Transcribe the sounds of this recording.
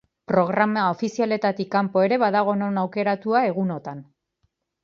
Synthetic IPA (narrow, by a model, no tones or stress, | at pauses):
pɾo̞ɣ̞ɾamao̞fisiale̞t̪at̪ikːampo̞e̞ɾe̞βaðaɣ̞o̞no̞nawke̞ɾat̪uae̞ɣ̞uno̞t̪an